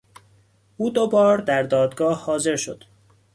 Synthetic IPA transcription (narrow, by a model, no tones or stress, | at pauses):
ʔuːd̪obɒːɾd̪æɾd̪ɒːd̪ɡɒːhːɒːze̞ɾʃo̰d̪̥